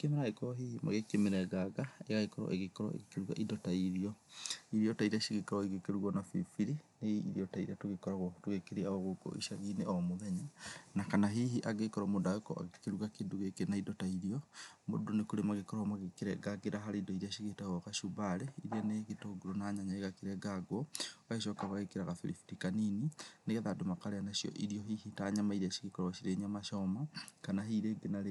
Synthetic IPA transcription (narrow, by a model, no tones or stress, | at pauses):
kemeɾaekɔɾɔɦihima̰ɣekemeɾɛɡaɡaeɣaɣekɔɾɔ̰ʔeɣekɔɾɔ̰ḛɣekeɾuɣaʔidɔtaiɾiɔiɾiɔtaiɾaʃiɣekɔɾɔeɣekeɾuɣɔnafḭfiɾineḭɾiɔtaiɾiatoɣekɔɾaɣɔtoɣekeɾiaɔɣokɔ̰ʔḭʃaɣineɔmoðɛɲanakanaɦiɦiʔaɡekɔɾɔmodaekɔ̰ʔa̰ɣekeɾuɣakeduɣekenaidɔtaiɾiɔmo̰donekoɾemaɣekɔɾamaɣekeɾɛɡaɡeɾaɦaɾedɔiɾiaʃiɣetaɔɣaʃubaɾeiɾiɛneɣetoɡuɾonaɲaɲaeɣakeɾɛɡaɡwɔɣaeʃɔkaβaɣekeɾaɣafeɾḭfi̥tikaninineɣeðadomakaɾeanaʃiɔ̰ʔiɾiɔɦihitaɲamaiɾiaʃi̥ɣekɔɾɔaʃiɾeɲamaʃɔmakanaɦiɾeɡenaɾe